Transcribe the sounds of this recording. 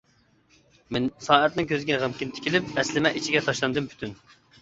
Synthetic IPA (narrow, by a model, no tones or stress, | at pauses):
mɪnsɑːɛt̪nɪŋkʲʰøzɪɡʲɛʁæmkʲɪnt̪ʰɪ̥kʲʰilɪp̚ɛslɪmɛʔit͡ʃʰiɡʲɛt̪ʰɑʃlˠɑnd̪ɨmpʰy̥t̪ʰyn